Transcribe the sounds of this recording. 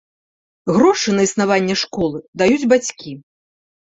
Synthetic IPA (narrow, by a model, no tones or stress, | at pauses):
ɣɾɔʂɨnɐisnavanʲːɛʂkɔlˠɨd̪ajud͡zʲbat͡sʲkʲi